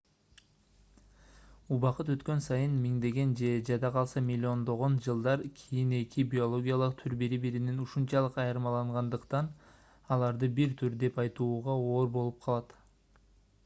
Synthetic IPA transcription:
uβɑqɯt̪ø̞t̪kønsɑjɯnmiŋd̪e̞ɡe̞nd͡ʒe̞d͡ʒɑd̪ɑqʰɑlˠsɑmʲɪlʲːio̞nd̪o̞ʁo̞nd͡ʒɯlˠd̪ɑɾkʲʰijine̞kʲʰibʲio̞lˠo̞ɡʲijɑlˠɯq̚t̪ʰyɾbiɾibiɾininuʃunt͡ʃɑlˠɯqɑjɯɾmɑlˠɑɴʁɑnd̪ɯqt̪ɑn | ɑlˠɑɾd̪ɯbiɾt̪ʰyɾd̪e̞pɑjt̪uːʁɑo̞ːɾbo̞lˠup̚qʰɑlˠɑt̪

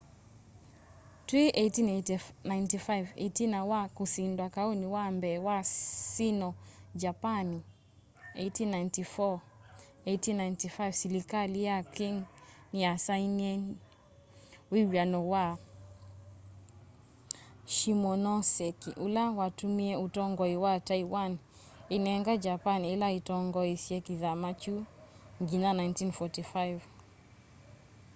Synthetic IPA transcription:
twiʔetinatnajntifajvḛtinawakusindwakaoniwambɛwasinɔd͡ʒapani | ḛtinajntifɔ | etinajntifajvsilikalijakiŋ | niasainiɛ | wiwanɔwa | ʃimɔnɔsɛkiʔulawatumiɛutɔŋɡɔiwatajwan | inɛŋɡad͡ʒapanilaitɔŋɡɔisiɛkiðamat͡ʃu | ŋɡinanajntinfɔtifajv

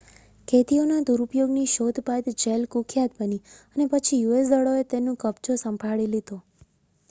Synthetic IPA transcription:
kʰet̪ionad̪uɾupjoɡniʃod̪ʱpat̪d͡ʒelkukʰjat̪̚bəniənepət͡ʃʰijues̬d̪əɭoet̪enũkəbt͡ʃosəmbʱaɭilid̪o

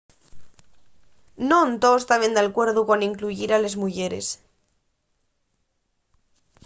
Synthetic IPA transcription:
nont̪ost̪aβend̪alkwe̞ɾðukwaniŋkluʝiɾalezmuʝeɾḛs

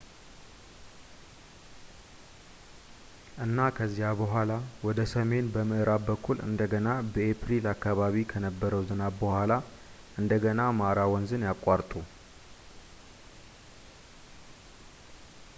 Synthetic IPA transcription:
ʔɨnːakʰəzːijabəɦʷalawɔd̪əsəme̞nbəmɨʔɨɾabbəkʰːulɨ̰nd̪əɡənabəʔepɾilakːaβaβikʰənəbːəɾəwzɨnabbəhʷala | ʔɨnd̪əɡənamaɾawɔnzɨnjakʼːaɾt̪ʼu

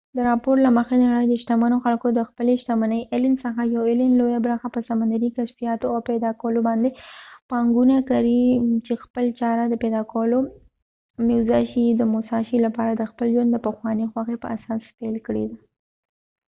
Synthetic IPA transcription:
d̪əɾɑpoɾlaməxenaɽajd̪əʃt̪amanoxalkod̪əxpəleʃt̪amanəjʔelɪnsəxajawelɪnlojabɾəxapəsamand̪aɾikasfijɑt̪oawpɛd̪ɑkawəlobɑnd̪epɑŋɡunakaɾit͡ʃexpəlt͡ʃɑɾad̪əpɛd̪ɑkawəlo | mewzɑʃid̪əmʊsɑʃilapɑɾad̪əxpəlʒwand̪əpəxwɑnixwaxepə̰asɑspelkəɽḛd̪a

